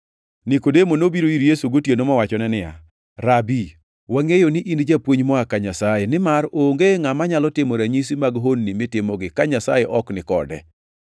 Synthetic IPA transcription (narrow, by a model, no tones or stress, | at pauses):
nɪkodemonobiɾoiɾjesuɡotjenomɔwat͡ʃɔnɛnɪja̰ | ɾabi | waŋejonɪʔindd͡ʒapwoɲmɔakaɲasajenɪmaɾoŋɡeŋamaɲalɔtɪmoɾaɲis̬imaɡɦonːimɪtɪmɔɡɪkaɲasajɛʔɔknɪkɔ̰dɛ̰